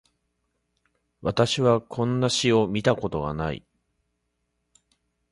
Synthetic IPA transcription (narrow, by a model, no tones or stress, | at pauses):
βat̪aɕiβakʰõ̞nːaɕio̞mʲit̪ako̞t̪o̞ɡa̰naḭ